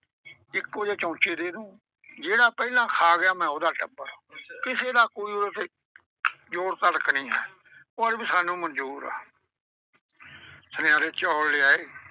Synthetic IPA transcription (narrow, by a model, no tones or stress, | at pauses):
ɪkʋəd͡ʒeːt͡ʃɔ̃ːt͡ʃeːd̪eːnũː | d͡ʒeːɽaːpɛilãːkʰaːɡɪjaːmɛ̃ːoːd̪aːʈəbəɾakɪseːd̪aːkoːiːoɾət̪e | d͡ʒoːɽt̪əɽəknĩːɦɛ̰ː | oaɽbiːsaːnũːmənd͡ʒuːɾa̰ː | sənɪaːɾeːt͡ʃɔːllɪaːeː